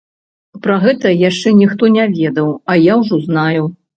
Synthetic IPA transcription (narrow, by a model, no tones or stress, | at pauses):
pɾaɣɛt̪ɐjaʂt͡ʂɛnʲixt̪ɔnʲavʲɛd̪ɐwɐjawʐɔznaju